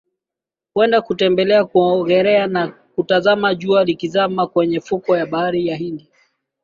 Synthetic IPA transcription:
kwɛndakutɛmbɛlɛakuɔɣɛɾɛana | kutazamaʄualikizamakwɛɲɛfukɔjaɓaaɾijaɦindi

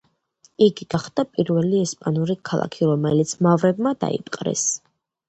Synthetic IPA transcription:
iɡiɡ̥aχd̪apʼiɾvɛliɛspʼanuɾikʰalˠa̰kʰiɾɔmɛlit̪sʰmavɾɛbmad̪a̰ḭpʼqʼɾɛ̰s

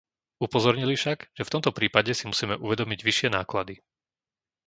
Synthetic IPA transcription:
upɔzɔɾɲilifʃaɡʒ̥ɛft̪ɔmt̪ɔpɾiːpaɟɛsimusiːmɛʔuʋɛd̪ɔmiɟʋiʃɪɛnaːklad̪i

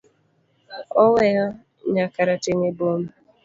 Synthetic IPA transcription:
ɔweɣa | ɲakaɾateɲebom̩

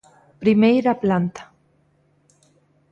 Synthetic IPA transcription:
pɾimejɾaplant̪ḁ

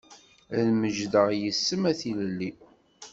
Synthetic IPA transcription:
æðməʒðəʁjəsːəmæθiləlːi

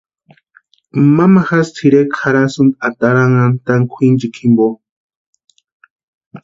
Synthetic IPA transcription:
mamaxast̪ʰiɾekʰaɾasund̪at̪aɾaŋant̪aŋkʷʰind͡ʒikʰimbo

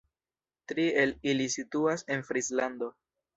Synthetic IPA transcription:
tɾie̞lilisituase̞nfɾislando̞

